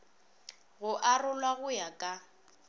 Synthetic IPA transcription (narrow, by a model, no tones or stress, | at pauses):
ɣʊʔarʊlwaɣʊjakʼa